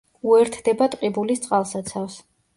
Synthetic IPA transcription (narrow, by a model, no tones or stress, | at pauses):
uɛɾt̪ʰd̪ɛbat̪ʼqʼibulist̪sʼqʼalˠsat̪sʰafs